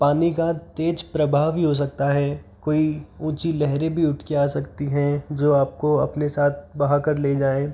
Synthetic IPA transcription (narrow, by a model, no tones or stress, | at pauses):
paːnikat̪eːd͡ʒpɾɐbʱaːʋɦiɦos̬ɐk̚t̪aɦɛːkoːiũːt͡ʃilɛɦɾẽbʱiʊʈʰkeaːsɐkt̪iɦɛ̃d͡ʒoːaːp̚koɐ̰pnesaːt̪̚ʰbɐɦakəɾleːd͡ʒaːẽː